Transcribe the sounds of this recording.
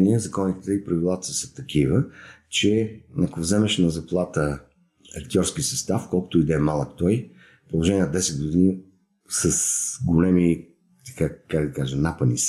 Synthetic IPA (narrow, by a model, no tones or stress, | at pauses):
niəzɐkɔnit̪ət̪ɛipɾɐvilˠat̪ə̥sə̥t̪ɐkʰivət͡ʃɛɐkovzɛmɛʃnɐzɐplˠat̪ə | ɐkt̪ʲɔɾskisəst̪afkɔlˠkʊ̥t̪ʊid̪ɛmalˠəkt̪ɔj | polˠoʒɛnʲiənd̪ɛsɛt̪̚ɡʊd̪in | sɐsɡʊlɛmi | t̪ɐ̥kakaɡd̪ɐkaʒənapənis